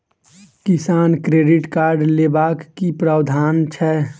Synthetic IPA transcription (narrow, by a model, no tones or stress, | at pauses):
kɪsaːnkɾeːɖɪʈkaːɾɖleːbaːkːipɾəd̪ʱaːnt͡ʃʰɛ